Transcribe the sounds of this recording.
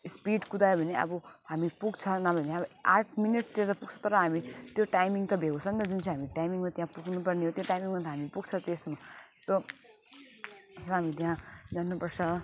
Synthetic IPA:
spiɖkud̪ajebʱʌneɐ̰bɔɦamipuɡt͡sʰʌnabʱəneabʌa̰ʈʰminiʈ̚t̪jãt̪ʌpuɡt͡sʰʌt̪ʌɾʌɦamit̪joʈajmiŋɡt̪ʌbʱeɡosʰʌnt̪ʌd͡zunt͡sʰĩɦamiʈajmiŋɡmãt̪jãpukʰnupɐɾneɦot̪joʈajmiŋɡmat̪ʰaɦamipuɡt͡sʰʌt̪esmaso | sʌɦamit̪̬jɦãd͡zanːupʌɾt͡sʰʌ

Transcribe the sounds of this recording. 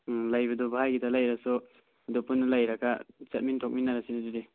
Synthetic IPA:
lajbɐdɔbaɦajɡidalajɾasɔ | dɔpunːlajɾaɡat͡ʃat̚mintʰok̚minːaɾasinazuɾi

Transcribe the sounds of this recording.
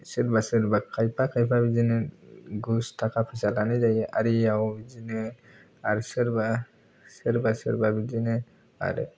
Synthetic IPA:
sɯɾbasɯɾbakʰajpʰakʰajpʰabid͡ʒinɛɡustʰakapʰɯsalanɯd͡ʒajɛʔaɾiawbid͡ʒinɯ | aɾsɯɾba | sɯɾbasɯ̰ɾbabid͡ʒinɛ | a̰ɾ̰

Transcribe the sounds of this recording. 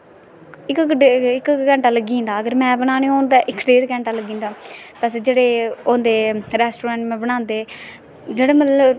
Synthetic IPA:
ɪkɖɪkkɛ̃ːɳʈaːləɡĩːnd̪aːəɡəɾmɛ̃ːbənaːnẽːoːnd̪aːʔɪkɖeːɾkɛ̃ːɳʈaːləɡĩːnd̪aːpəsd͡ʒeːɽeːoːnd̪eːɾɛːsʈoːɾɛ̃ːɳʈmɛ̃ːbəɽãːnd̪eː | d͡ʒeːɽeːmə

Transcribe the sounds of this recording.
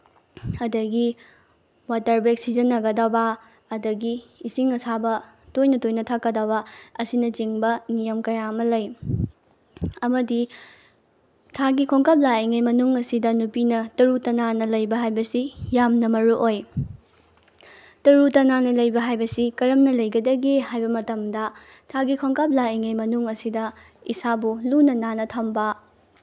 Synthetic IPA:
ɐdɐɡi | watɐɾbeksizɐnːɐɡɐdɐbɐ | ɐdɐɡiːsiŋɐsabɐ | tojnɐtojnɐtʰakːɐdɐbɐɐsinɐt͡ʃiŋbɐnijɐmkɐjaɐmɐlɐj | ɐmɐdi | tʰaɡikʰoŋkɐp̚laeŋejmɐnuŋɐsidɐnupinɐtɐɾutɐnanɐlɐjbɐɦajbɐsijamnɐmɐɾuʔoj | tɐɾutɐnanɐlɐjbɐɦajbɐsikɐɾɐmnɐlɐjɡɐdɐɡehajbɐmɐtɐmdɐ | tʰaɡikʰoŋkap̚laiŋejmɐnuŋɐsidɐ | isabulunɐnanɐtʰɐmbɐ

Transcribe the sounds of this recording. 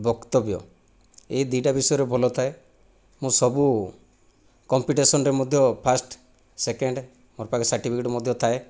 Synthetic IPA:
bɔkt̪ɔbjɔ̰ | eid̪iɖabisɔjɔɾebʱɔlɔt̪ʰae | mũsɔbu | kɔmpiʈesɔnɾemod̪ʱjɔpʰasʈ | sekeɳɖ | moɾpakɔsaʈipʰikeʈmɔd̪ʱjɔt̪ʰae

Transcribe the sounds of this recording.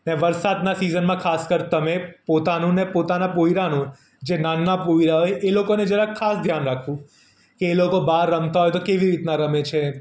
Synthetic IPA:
neʋəɾsad̪nasizənmãkʰaskəɾt̪əmepot̪anũnepot̪anapoiɾanũ | d͡ʒenanːapoiɾaɦojʔelokoned͡ʒəɾãkʰasd̪ʱjanɾakʰũ | keːlokobaɾːəmt̪aɦɔjt̪okeʋiɾit̪naɾəmet͡ʃʰe

